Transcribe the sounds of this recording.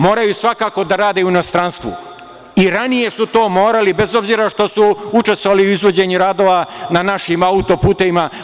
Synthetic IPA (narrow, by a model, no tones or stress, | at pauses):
mo̞ːɾajusʋakaːko̞d̪aɾaːd̪euino̞st̪ɾanst̪ʋṵ | iɾanije̞sut̪o̞ːmo̞ːɾalibe̞zo̞bziːɾaʃt̪o̞suut͡ʃe̞st̪oʋaliuizʋo̞d͡ʑe̞ɲuɾaːd̪oʋananaʃimaut̪o̞puːt̪e̞ʋima